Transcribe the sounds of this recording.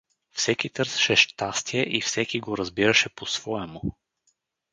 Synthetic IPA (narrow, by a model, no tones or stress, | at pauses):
fsɛkit̪ɤɾsə̥ʃɛʃt̪ast̪iɛʔifsɛkiɡoɾɐzbiɾɐʃɛposv̥ɔɛmʊ